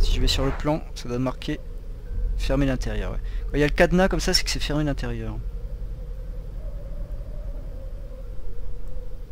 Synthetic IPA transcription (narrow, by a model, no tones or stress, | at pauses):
siʒəvɛsyʁləplɑ̃sad̪wad̪maʁkʰʲe | fɛʁmelɛ̃t̪eʁjœ̰ːʁwɛ̰kɑ̃ijaləkad̪nakɔmsasɛ̥kə̥sɛfɛʁmelɛ̃t̪eʁjœːʁ